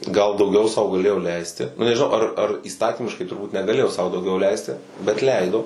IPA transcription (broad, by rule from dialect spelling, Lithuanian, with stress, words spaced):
ɡɐlˠ dɐʊˈɡʲɛʊ sɐʊ ɡɐˈlʲeːjoː ˈlʲɛɪsʲtʲɪ ˈnʊ nʲɛʒʲɪˈnɐʊ ɐr ɐr iːˈstɑːtʲiːmʲɪʃkɐɪ tʊrˈbuːt nʲɛɡɐˈlʲeːjoː sɐʊ dɐʊˈɡʲɛʊ ˈlʲɛɪsʲtʲɪ bʲɛt ˈlʲɛɪdoː